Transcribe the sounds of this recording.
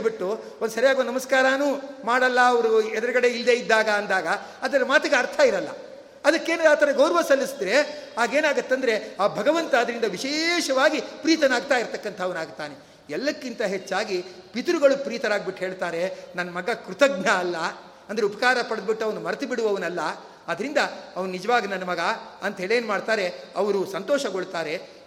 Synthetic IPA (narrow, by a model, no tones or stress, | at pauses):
biʈːu | ond̪usɐɾijaːɡionnɐmɐskaːɾaːnuːmaːɽɐlːɐɐʋɐɾuɛd̪ɐɾɐɡɐɽe̞ild̪e̞id̪ːaːɡɐːnd̪aːɡɐː | d̪ɐɾɐmaːt̪ɐɡeɐɾt̪ʰɐiɾɐlːɐ̰ | ɐd̪ɐkːe̞ːnɐaːt̪ʰɐɾɐɡɐwɾɐʋɐsɐlːisd̪ɾe̞aːɡe̞ːnaːɡut̪ːeɐnd̪ɐɾe̞aːbʱɐɡɐʋɐnt̪ɐːɐd̪ɐɾind̪ɐʋiʃeːʃɐʋaːɡipɾiːt̪ɐnaːɡ̚t̪aːiɾt̪ɐkːɐnt̪ʰɐɐʋɐnaːɡ̚t̪aːne̞ | ɛlːɐkːint̪ɐɦet͡ʃːaːɡipit̪uɾuɡɐɭupɾiːt̪ɐnaːɡbiʈːɦeːɭt̪aːɾe̞nɐnːɐmɐɡɐkɾut̪ɐɡ̚nɐːlːɐ | ɐnd̪ɐeupɐ̥kaːɾɐpɐɽɐd̪biʈːuɐʋɐnumɐɾɐt̪ɐbiɽuʋɐʋɐnɐlːɐ | ɐd̪ɐɾind̪ɐɐʋɐnunid͡ʒɐʋaːɡinɐnːɐmɐɡɐɐnt̪ɐɦeːɭeːnmaːɖt̪aːɾe̞ɐʋɐɾusɐnt̪oːʃɐɡoɭt̪aːɾe̞